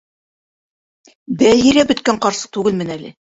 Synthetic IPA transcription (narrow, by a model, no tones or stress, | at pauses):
b̪æɦiɾæbɵ̆t̪̚kæɴqɑɾsɤ̥q̚t̪ʉɡɘlmɘ̆nælɘ̰